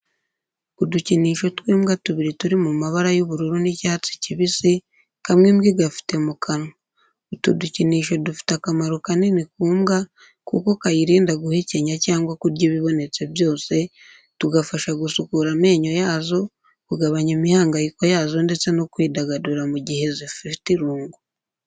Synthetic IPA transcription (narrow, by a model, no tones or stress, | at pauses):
kuduciniːʃo̞twiːmɡatuβiɾituɾimumaβaɾajoβuɾuɾunicaːt͡si̥ciβisi | kamŋemɡiɡafi̥te̞mukʰano | tuduciniːʃo̞dufi̥takamaɾokanenikuːmɡa | kṵko̞kajiɾiːndaɡuhe̞ce̞ɲacaːŋɡwakuɾɟeβiβo̞ne̞t͡se̞βjo̞ːse̞ | tuɡafaʃaɡusukuɾame̞ːɲo̞jaːzo̞ | kuɡaβaɲemihaːŋɡajiko̞jaːzo̞nde̞t͡se̞no̞kwiːdaɡaduɾamuɟihe̞zififtiɾuːŋɡo